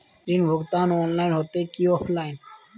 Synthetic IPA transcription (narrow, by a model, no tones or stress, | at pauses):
ɾinbʱoɡt̪anɔnlajnɦot̪ekiɔfʰlajn